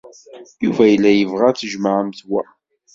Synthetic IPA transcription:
juvæjəlːæjəvʁæθəʒməʕəmθwæ

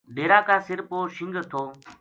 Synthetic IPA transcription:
ɖeːɾãːkãːsɪɾpoːʃɪ̃ŋɡt̪ʰoː

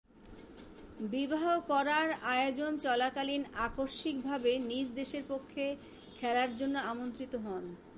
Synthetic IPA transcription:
bibaɦokɔɾaɾaeod͡ʑont͡ɕɔlakalinakoɾʃik̚bʱabenid͡ʑd̪eʃeɾpokʰːe | kʰɛlaɾd͡ʑonːoamont̪ɾit̪oɦɔn

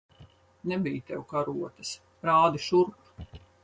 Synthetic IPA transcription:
nɛbijt̪ɛwkaɾuɔt̪ɐs | ɾaːd̪iʃuɾk

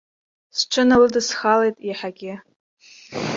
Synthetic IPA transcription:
sʈ͡ʂʷʰɨnalɨdɨsχalejtʼiħaɡʲɪ

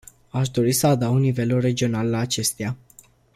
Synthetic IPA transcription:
aʃ̬d̪o̞ɾisəad̪awnive̞lure̞d͡ʒio̞nalːaːt͡ʃe̞st̪ea

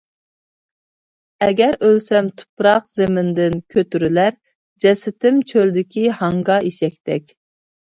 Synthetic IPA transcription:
ɛɡʲɛɾølsɛmt̪ʰu̥pɾɑqzemɪnd̪ɪnkʲʰøt̪yɾylæɾ | d͡ʒɛsɪt̪ʰɪmt͡ʃʰøld̪ɪkʲihɑŋɡɑʔiʃɛk̚ʲt̪ʰɛkʲ

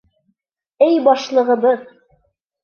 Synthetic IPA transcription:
ɘjbɑʃlˠɤ̆ʁɤ̆βɤð

